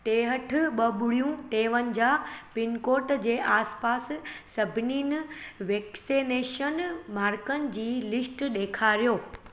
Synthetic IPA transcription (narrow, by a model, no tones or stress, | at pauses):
ʈeːɦəʈʰʊ̆ɓɐɓʊɽ̤ijũʈeːʋənɪ̆d͡ʑaːpɪnkoːʈd͡ʑeːʔaːspaːsːɐbʱɪniːnɪ̆ʋeːksineːʃənmaːɾkənɪ̆d͡ʑiːlɪsʈɗeːkʰaːɾijoː